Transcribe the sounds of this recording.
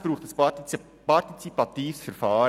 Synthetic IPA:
b̥ɾuːχtd̥as | pɑɾtit͡sipɑtiːfsfɛɾfɑːɾ

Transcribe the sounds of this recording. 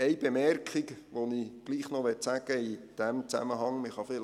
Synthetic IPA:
ɛɪb̥emɛrkχɪkʋoniɡ̥liːχnoʋɛtsæɡəid̥æmt͡sæ̰məɦɑŋmɪχɑfɪl

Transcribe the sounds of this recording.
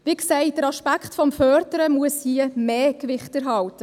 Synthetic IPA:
ʋiksɛɪt̚d̥əɾɑʃpækχtfɔmfœːɾdəɾəmuəshiəmeːkʋɪχtæɾɦɑwtə

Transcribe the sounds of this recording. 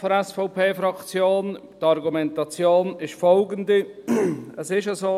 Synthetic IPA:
foɾɛsfoʊpʰeːfɾɑkt͡sjoːn | tɑɾɡumɛntɑt͡sjoːnɪʃfɔlɡəndi | əsɪʃəzoː

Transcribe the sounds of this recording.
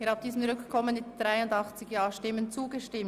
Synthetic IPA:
ɪhɑb̚d̥iːzəmʁʏkkʰɔmənmɪtd̥ʁaɪʊndɑχt͡sɪɡjɑːʃtɪmənt͡suːɡəʃtɪm

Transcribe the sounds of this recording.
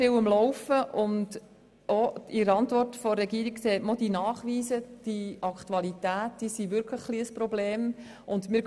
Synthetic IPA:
ɪwəmlɔwfəʔʊnd | oiɾəɑntʋɔrtfɔːɛɡiːɾikkseːtmod̥inɑːχʋiːzəd̥iʔɑkʰtuɑlitæːt̚d̥iːsiʋʏɾkʰləχχliəsprɔbleːm | ʊndmɪɾ

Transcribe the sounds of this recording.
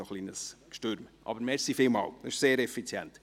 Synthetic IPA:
oχlinəskʃtøɾmʔɑ̰bəɾmɛɾsifɪlmɑ̰ːlɪʃseːɾɛfit͡sjɛ̰nt̪

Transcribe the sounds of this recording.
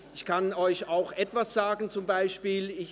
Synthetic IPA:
ɪçkʰanɔʏçaʊxʔɛtv̥asz̥aːɡn̩t͡sʊmbaɪʃpiːlɪ

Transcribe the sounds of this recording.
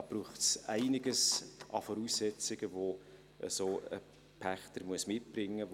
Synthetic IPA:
b̥ruːχtsæɪnɪɡəsʔɑfɔɾuːsːɛt͡sɪɡ̥əvo | ʔə̰soːə̰ | pʰæχtəɾmuəsmɪt̚b̥rɪŋːə

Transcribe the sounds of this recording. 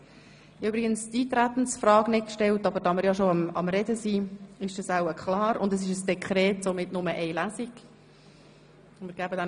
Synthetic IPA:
ybɾɪɡənstiːt̪ɾæt̪n̩sfrɑːɡ̥nɪt̚kʃtɛltɑbəɾd̥ɑmɪɾjɑʃoɑmɑ̰mɾɛdəsiːɪʃd̥ɑsawəkχlɑːɾʊ̰ndəs̬ɪʃəsd̥ɛkχɾɛːtsomɪtnʊməʔɛɪlæziɡ̥ | mɪːɾɡ̥æbədɛn

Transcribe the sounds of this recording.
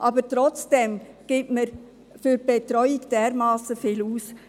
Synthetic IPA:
ʔɑbətɾɔt͡sd̥ɛm | ɡ̥ɪːtməɾ | fyɾb̥etɾœʏɪɡd̥eːɾmɑːsəfɪːluːs

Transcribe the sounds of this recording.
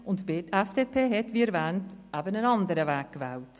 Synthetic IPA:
ʊntbɪtɛfd̥eːpʰeːɦɛtviːɛɾvɛːntæbənənɑndəɾəvɛːkkvɛːlt

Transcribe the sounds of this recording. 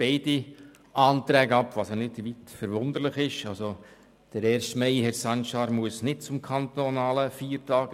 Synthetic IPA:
b̥ɛɪdi | ʔɑːnt̪ɾɛːɡəɑpʋɑsjɑnɪdʋitfəɾʋʊnd̪əɾlɪχɪʃɑso | d̥əɾɛːɾʃtmɛɪhɛɾsɑnʃɑːɾmuəsnɪt̚t͡sʊmkʰɑntonɑːləfiːɾtɑːɡ

